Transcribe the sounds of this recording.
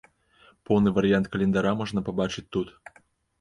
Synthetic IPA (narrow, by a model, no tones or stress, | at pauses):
powˠnɨvɐɾʲɪɑnt̪̚kɐlʲend̪ɑɾɑmoʐnəpɐbɑt͡ɕɨt̚ʲt̪ut̪